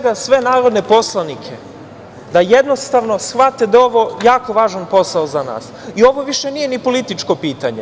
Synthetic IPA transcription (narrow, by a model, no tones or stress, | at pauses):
ɡasʋe̞naːɾo̞d̪ne̞po̞slˠanikʰe̞ | d̪ajed̪no̞st̪aʋno̞sxʋat̪ed̪ao̞ʋo̞jaːko̞ʋaːʒanpo̞saozana̰ːsio̞ʋo̞ʋiʃe̞nije̞nipo̞lit̪it͡ʃko̞piːt̪aɲe